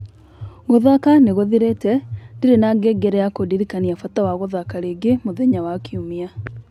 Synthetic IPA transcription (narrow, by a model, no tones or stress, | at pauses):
ɣoðakaneɣoðiɾetɛndiɾenaɡeɡeɾɛjakodiɾikaniafatawaɣoðakaɾeːɡemoðeɲawakiumia